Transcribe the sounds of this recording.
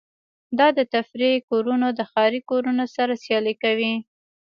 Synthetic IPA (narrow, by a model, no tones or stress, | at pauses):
d̪ɑd̪ət̪afɾikoɾunod̪əxɑɾikoɾunosaɾasjɑlekawi